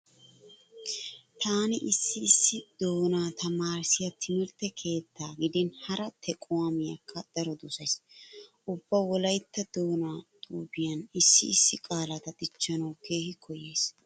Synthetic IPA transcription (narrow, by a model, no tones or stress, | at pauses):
t̪ʰaːnɪʔɪsːɪːsːɪd̪o̞ːnaːt̪ɐmaːɾsɪjɐt̪ʰɪmɪɾt̪ɛkʰe̞ːt̪ʰːaːɡɪd̪ɪnhɐɾɐt̪ʰɛkʼowɐmɪjɐ̰kːɐd̪̥ɐɾɔd̪ʊsɐjsʔʊbːɐwɔlɐjt̪ːɐd̪o̞ːnaːt̪ʼuːbɪjɐnɪsːɪɪsːɪkʼaːlɐt̪ɐt̪ʼɪt͡ʃːɐnɐwke̞ːhɪkʰɔje̞ːs